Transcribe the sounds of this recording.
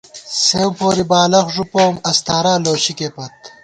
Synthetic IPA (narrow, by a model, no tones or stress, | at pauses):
sewmpoːɾibaːlɐxʐupoːmɐst̪aːɾaːloːɕikepɐt̪̚